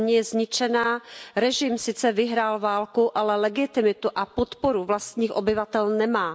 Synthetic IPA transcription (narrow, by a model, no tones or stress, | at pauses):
ɲɛjɛzɲɪt͡ʃɛnaːɾɛʒɪmsɪt͡sɛvɪɦɾaːlvaːlkuʔalɛlɛɡɪt̪ɪmɪt̪uʔapot̪poɾuvlast̪ɲiːxʔobɪvat̪ɛlnɛmaː